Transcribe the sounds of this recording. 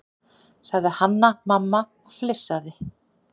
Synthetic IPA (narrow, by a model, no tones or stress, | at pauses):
saɣðɪhanːamamːa | ɔɣflɪsːaðɪ